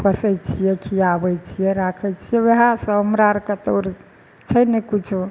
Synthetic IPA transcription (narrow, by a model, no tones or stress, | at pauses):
kəsəjt͡ʃʰijɛkiabəjt͡ʃʰijɛɾakʰɛjt͡ʃʰijɛweɦasə̃ɦəmɾaɾkət̪oɾ | t͡ʃʰəjnɛkit͡ʃʰu